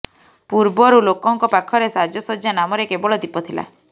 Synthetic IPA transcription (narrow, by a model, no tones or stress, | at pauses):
puɾbɔɾulokɔŋkɔpakʰɔɾesad͡ʒɔsɔd͡ʒjanamɔɾekebɔɭɔd̪ipɔt̪ʰila̰